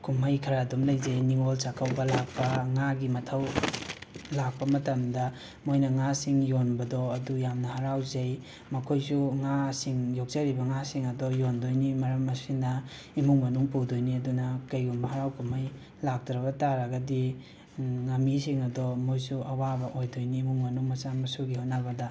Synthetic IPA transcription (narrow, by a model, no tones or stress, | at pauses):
kʰumajkʰɐɾadumlɐjzɐjniŋolsakʰawbɐlak̚pɐŋaɡimɐtʰɐw | lak̚pɐmɐtɐmdɐ | mojnɐŋasiŋjonbɐdɔɐdujamnɐhaɾawzɐj | mɐkʰojsuŋasiŋjok̚zɐɾibɐŋasiŋɐdɔjondojnimɐɾɐmːɐsinɐ | imuŋmɐnuŋpudojniɐdunɐkɐjɡumɐɦaɾawkɐmaj | lak̚tɾɐβɐtaɾaɡɐdi | ŋɐmis̬iŋɐdɔmojsuʔɐwabɐʔojdojniːmuŋmɐnuŋmɐsamɐsuɡihotnabɐdɐ